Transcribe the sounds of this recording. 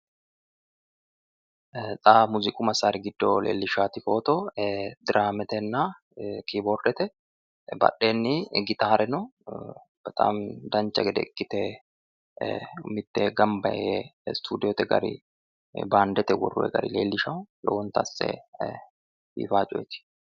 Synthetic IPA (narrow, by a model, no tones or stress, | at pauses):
t͡sʼaːmuzɪkʼʊmɐsaɾɪɡɪd̪ːolḛːlːɪʃaːt̪ɪfo̞ːt̪ɔd̪ɪɾʔaːmɛt̪ɛnːa | kiboːɾd̪ɛt̪ɛ | bɐ̰ɗːeːnːɪɡɪt̪aːɾɛnɔ | b̥ɐt̪ʼa̰ːmd̪ɐnt͡ʃːɐɡɛd̪ɛ̰kʼːɪt̪ɛ | mɪt̪ːɛɡɐmbɐest̪ʰuːd̪ɪjɔt̪ɛɡɐ̰ɾɪ̰ | baːnd̪ɛt̪ɛwɔ̰rːʊ̰ɛ̰ɡɐ̰ɾɪ̰leːlːɪʃɐwʊlɔ̰wɔnt̪ɐsːɛ̰ | fḭːfaːt͡ʃʼɔ̰jt̪ɪ̥